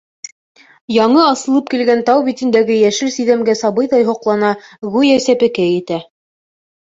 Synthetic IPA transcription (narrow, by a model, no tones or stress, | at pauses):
jɑɴɤɑsɤ̆lˠɤp̚kilɡænt̪ɑwβit̪ind̪æɡɘjæʃɘlsiðæmɡæsɑβɤjðɑjɦŏqlˠɑnɑɣʉjæsæpɘ̆kæjɘ̆t̪æ